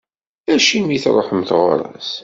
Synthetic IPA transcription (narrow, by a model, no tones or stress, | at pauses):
æʃimiθɾˤoħəmθʁʊ̰ɾˤɑ̰s